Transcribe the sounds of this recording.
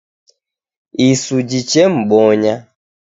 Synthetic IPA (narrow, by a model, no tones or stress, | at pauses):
isud͡ʒit͡ʃɛm̩ɓɔɲa